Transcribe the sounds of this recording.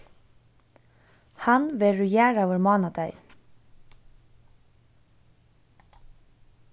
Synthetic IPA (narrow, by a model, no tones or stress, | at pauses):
hɑnʋɪɹʉjæːɾəʋəɹmɑːnɑd̪æɪ